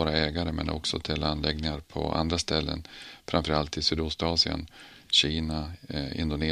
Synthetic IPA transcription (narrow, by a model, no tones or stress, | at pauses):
oːɾaɛːɡaɾəmɛnʔɔ̰ksɔt̪ʰɛlːanːlɛɡnɪŋaɾpʰɔ̰a̰nd̪ɾast̪ɛlːə̰nfɾamfœɾalt̪ɪsyːd̪ʊst̪ɑːsɪə̰n | ɕiːnaɪ̰nd̪ʊneː